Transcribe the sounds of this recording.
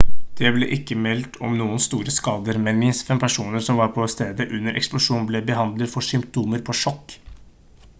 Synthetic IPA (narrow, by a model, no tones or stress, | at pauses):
d̪̥ɛblɛʔɪkːəmɛlt̪ʰɔ̰mnuːənst̪uːɾəskɑːd̪əɾmɛnmɪnsfɛmpʰæʂuːnəɾsɔmʋɑɾpʰɔst̪eːd̪əʔʉnːəɾʔɛ̰ksplʊʂuːnblɛbəɦɑnd̪lət̪fɔʂʏmpt̪ʰuːməɾpʰɔʂɔkː